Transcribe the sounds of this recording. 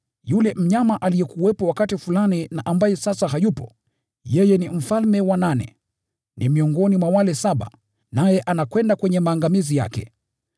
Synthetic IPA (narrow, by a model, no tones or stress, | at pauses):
julɛm̩ɲamaʔalijɛkuwɛpɔwakatifulaninaʔambajɛsasaɦajupɔ̰ | jɛjɛnim̩falmɛwananɛ̰ | nimiɔŋɡɔnimwawalɛsaɓa̰ | najɛʔanakwɛndakwɛɲɛmaːŋɡamizija̰kɛ̰